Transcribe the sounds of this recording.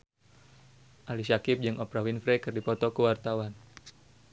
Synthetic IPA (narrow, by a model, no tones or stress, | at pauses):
ʔalisakɪp̚d͡ʒɨŋʔɔpɾawinfɾɛkɨrdipɔt̪ɔkuwart̪awan